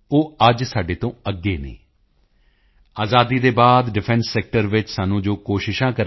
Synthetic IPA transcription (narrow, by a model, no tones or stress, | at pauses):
oːəd͡ʒsaːɖeːt̪õːəɡːeːnḛː | aːzaːd̪iːd̪eːbaːd̪ɖɪpʰɛ̃nsːɛːk̚ʈəɾʋɪt͡ʃsaːnũːd͡ʒoːkoːʃɪʃãːkəɾ